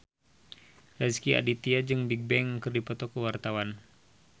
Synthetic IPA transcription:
rɛskia̰dit̪iad͡ʒɨŋbik̚bɛŋəkɨrdipɔt̪ɔkəwart̪awan

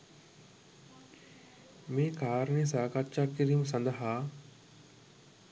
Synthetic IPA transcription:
mẽːkaːɾnẽːs̬aːkat͡ʃakɪɾimsɐ̃nd̪aɦaː

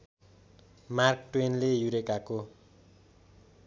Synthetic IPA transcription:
markʈwenlejuɾekako

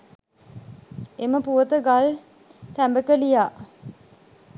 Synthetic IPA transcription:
eməpuʋət̪əɡal | t̪æmbəkəlijaː

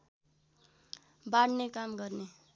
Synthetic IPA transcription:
baɽnekamɡʌrne

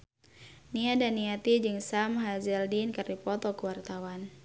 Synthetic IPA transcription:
niadanːiat̪id͡ʒɨŋsamɦazɛldinkərdipɔt̪ɔkəwart̪awan

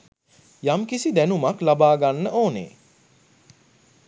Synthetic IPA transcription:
jamkisid̪ænumaklabaːɡanːəʔoːnḛː

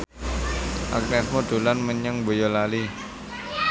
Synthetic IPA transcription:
ʔa̰knɛsmod̪̥ṳlanməɲəŋbojɔlali

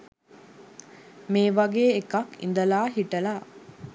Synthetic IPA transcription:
meːʋɐɡeːekɐkḭnd̪ɐlaːɦiʈɐlaː

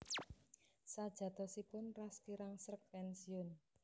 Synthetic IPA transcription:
sad̥ʒ̥ä̤t̪ɔsipʊnraskiɾaŋsɾək̚pɛnsiʊn

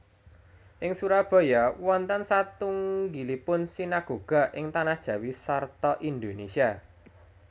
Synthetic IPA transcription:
ʔɪŋsuɾab̥a̤jawɔnt̪ansat̪uŋɡilipʊnsinaɡ̥o̤ɡ̥a̤ʔɪŋt̪anahd̥ʒ̥ä̤wisart̪ɔʔind̪onesia

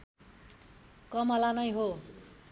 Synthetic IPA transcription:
kʌmʌlanʌjɦo

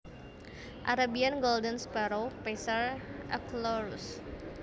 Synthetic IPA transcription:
ʔa̰ɾabianɡɔldənspaɾowpesarʔaklɔɾus

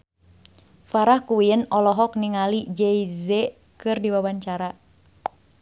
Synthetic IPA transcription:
faɾahkuwiənɔlɔɦɔk̚niŋalid͡ʒɛizɛ | kɨrdiwawaɲt͡ʃaɾa

